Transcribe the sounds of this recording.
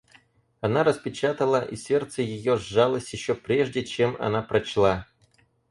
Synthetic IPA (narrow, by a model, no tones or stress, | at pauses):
ɐnaɾəspʲɪt͡ɕat̪əlˠəʔisʲe̞rt̪səjɪjo̞ʐːalˠəsʲtʲjɪɕːopɾʲeʐdʲɪt͡ɕe̞mɐ̰napɾɐt͡ɕlˠa